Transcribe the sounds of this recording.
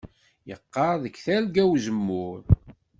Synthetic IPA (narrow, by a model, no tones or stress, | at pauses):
jəqːɑɾˤðəkθælɡæwzəmːʊɾ